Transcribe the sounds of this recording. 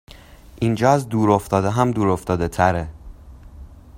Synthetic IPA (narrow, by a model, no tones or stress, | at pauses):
ʔind͡ʒɒːæzd̪uːɾoft̪ɒːd̪eɦæmd̪uːɾoft̪ɒːd̪e̞t̪ʰæɾe